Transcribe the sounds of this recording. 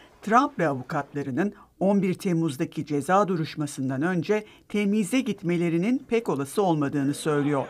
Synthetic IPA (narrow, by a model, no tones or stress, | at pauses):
t̪ʰɾampvɛavukʰat̪lˠaɾɯnɯno̞nbiɾt̪ʰemuzd̪acʰid͡ʒe̞zaːd̪uɾuʃmasɯnd̪anø̞nd͡ʒɛ | t̪ʰemizʲɛɟit̪me̞lʲe̞ɾininpʰɛco̞lˠasɯo̞lˠmad̪ɯːnɯsø̞jlʲijo̞ɾ̥